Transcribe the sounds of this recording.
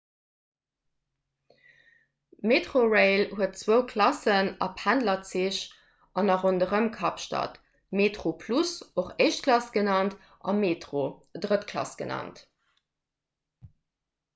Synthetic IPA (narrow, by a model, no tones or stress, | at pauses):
meːtʁoʁeɪlhuət̚t͡swəʊkʰlɑsənɑ̰pʰhændlɐt͡siɕ | ʔɑnɑʁondəʁəmkʰɑpʃtɑ̰t | meːtʁopʰlusoχeɪʃt̚kʰlɑsɡ̥ənɑnt | ʔɑ̰meːtʁodʁətkʰlɑ̰sɡ̥ənɑ̰nt